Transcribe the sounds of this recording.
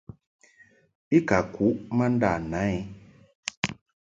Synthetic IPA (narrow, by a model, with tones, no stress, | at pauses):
i˦ka˨ku˨˦ʔma˦n˦da˦˨na˨˦i˦